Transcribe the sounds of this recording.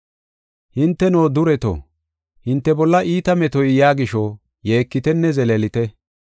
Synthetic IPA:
hɪnt̪ːɛno̞ːd̪ʊɾɛt̪o̰ | hɪnt̪ːɛbɔlːɐʔiːt̪ɐmɛt̪ɔjjaːɡɪʃɔ | je̞ːkːɪt̪ɛnːɛzɛlelɪt̪ɛ

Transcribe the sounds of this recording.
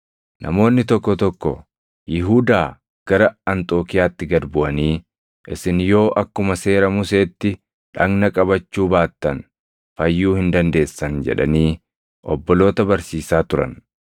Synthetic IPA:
nʔɐ̰mo̞ːnːɪt̪ɔkːɔt̪ɔkːɔ̰ | jɪɦuːd̪aː | ɡ̥ɐɾɐɐnt̪ʼo̞ːkɪjaːt̪ːɪɡɐɾbʊʔɐniː | ʔɪsɪnjo̞ːʔɐkːʊmɐse̞ːɾɐmʊse̞ːt̪ːɪ | ᶑɐɡnɐkʼɐbɐt͡ʃːuːbaːt̪ːɐn | fɐjːuːhɪnd̪ɐnd̪e̞ːsːɐnd͡ʒɛ̰ᶑɐ̰niː | ʔɔbːɔlo̞ːt̪ɐbɐɾsiːsaːt̪ʊɾɐ̰n

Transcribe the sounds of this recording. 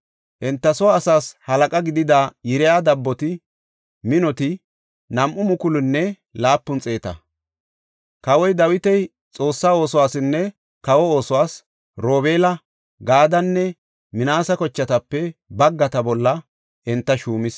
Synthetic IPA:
ʔɛnt̪ːɐsɔwːsaːshɐlɐkʼɐɡɪd̪ɪd̪ajɪɾɛjaːd̪ɐbːɔt̪ɪ | mɪnɔt̪ɪ | nɐmʔʊmʊkʊlʊnːɛ | laːpːʊnt͡sʼe̞ːt̪ɐ̰ | kɐwɔjd̪ɐwɪt̪ɛj | t͡sʼo̞ːsːaːo̞ːsɔwaːsɪnːɛ | kɐwɔo̞ːsɔwaːs | ɾo̞ːbeːlɐ | ɡaːd̪ɐnːɛ | mɪnaːsɐkɔt͡ʃːɐt̪ɐpːɛbɐɡːɐt̪ɐbɔlːɐ | ʔɪnt̪ːɐʃuːmɪs

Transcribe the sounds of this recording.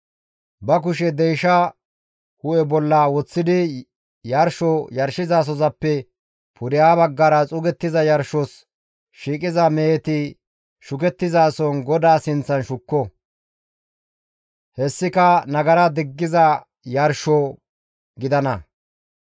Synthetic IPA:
bɐk̬ʊʃɛd̪ɛjʃɐ | hʊʔɛbɔlːɐwɔt͡sːɪd̪ɪ | jɐɾʃɔjɐɾʃɪzaːs̬ɔzɐpːɛ | pʰʊɾɪjaːbɐɡːɐɾɐt͡sʼʊɡɛt̪ːɪzɐjɐɾʃɔs | ʃiːkʼɪzɐmeːt̪ɪ | ʃʊk̬ɛt̪ːɪzaːsɔnɡɔd̪aːsɪnt͡sːɐnʃʊkːɔ | hɛsːɪkɐnɐɡɐɾɐd̪ɪɡːɪzɐ | jɐɾʃɔ | ɡɪd̪ɐnɐ

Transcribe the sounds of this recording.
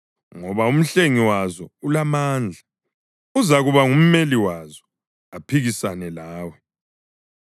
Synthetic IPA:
ŋɔβaum̩ɬeŋiwazɔulamaːnd͡ɮʱa | uzaɣuβaŋum̩meliwazɔ | apʰiɣisanɛlaːwɛ

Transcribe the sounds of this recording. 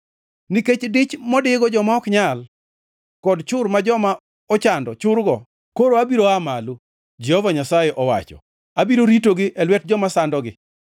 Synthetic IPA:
niket͡ʃdɪt͡ʃmɔdɪɡɔd͡ʒɔmaɔkɲal | kɔdt͡ʃʊɾmad͡ʒɔma | ɔt͡ʃandɔt͡ʃʊɾɡɔ | koɾoabiɾoamalo | d͡ʒɛhɔvaɲasajɛʔɔwa̰t͡ʃɔ̰ | abiɾoɾitoɡɪʔɛlwɛt̚d͡ʒɔmasandɔɡɪ̰

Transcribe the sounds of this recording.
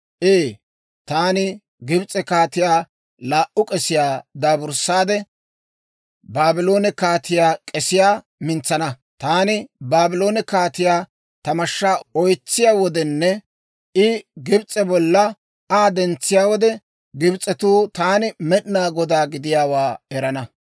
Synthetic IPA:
ʔeː | t̪aːnɪ | ɡɪbt͡sʼːɛkaːt̪ɪjaː | laːʔʊkʼɛsɪjaːd̪aːbʊɾsːaːd̪ɛ | baːbɪlo̞ːnɛkaːt̪ɪjaːkʼɛsɪjaː | mɪnt͡sːɐnɐ | t̪aːnɪbaːbɪlo̞ːnɛkaːt̪ɪjaː | t̪ɐmɐʃːaːɔjt͡sːɪjaːwɔd̪ɛnːɛ | ɪɡɪbt͡sʼɛbɔlːɐ | aːd̪ɛnt͡sːɪjaːwɔd̪ɛ | ɡɪbt͡sʼːɛt̪uːt̪aːnɪmɛɗnaːɡɔd̪aːɡɪd̪ɪjaːwaːɛɾɐnɐ

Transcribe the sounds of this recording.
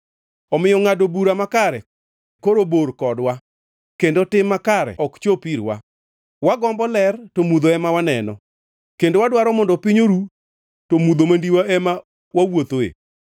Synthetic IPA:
ɔmɪjɔŋadobuɾamakaɾɛ | koɾoboɾkɔdwa | kendotɪmːakaɾɛ̰ʔɔkt͡ʃopiɾwa̰ | waɡɔmbɔlɛrtomud̪oɛmawanɛnɔ̰ | kendowadwaɾɔmɔndɔpiɲoɾu | tomud̪omandiwaɛma | wawot̪oḛ

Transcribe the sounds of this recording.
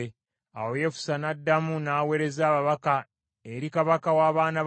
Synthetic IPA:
a̰woje̞fu̥sanadːamunaːwe̞ɾe̞zaːβaβaka | eɾikaβakawaːβaːna

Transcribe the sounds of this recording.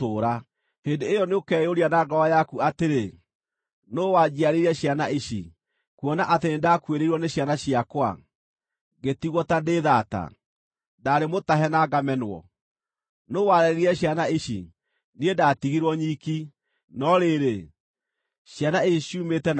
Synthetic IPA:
oːɾa | hendeːjɔneokɛjoɾianaɡɔwajakuateɾe | nowad͡ʑiaɾeiɾɛɕjanaʔiɕḭ | kwɔnaʔateendakweɾeiɾwɔneɕjanaɕiakwa̰ | ɡetiɣwɔtadeðata̰ | daɾemotaɦɛnaɡamɛnwɔ̰ | nowaɾɛɾeɾiɾɛɕjanaiɕḭ | niendatiɣiɾwɔɲiki | nɔɾeːɾe | ɕjanaeiɕiuːmetɛn

